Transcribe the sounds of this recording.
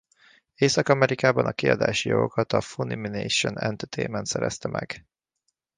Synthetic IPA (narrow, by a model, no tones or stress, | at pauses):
eːsɒkɒmɛɾikaːbɒnɒkiɒd̪a̰ːʃijo̞̰ɡokɒt̪ɒfuniminejʃonɛnt̪ɛt̪ʰeːmɛnt̪sɛɾɛst̪ɛmɛɡ